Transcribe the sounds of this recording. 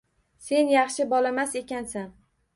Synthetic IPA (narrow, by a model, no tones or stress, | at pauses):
se̞njɑχʃɪbɒlamase̞kʲansan